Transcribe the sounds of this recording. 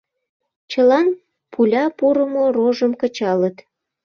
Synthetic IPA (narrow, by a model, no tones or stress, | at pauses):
t͡ɕəlɑn | pʰulʲɑpuɾəmoroʒəmkət͡ɕɑlət̪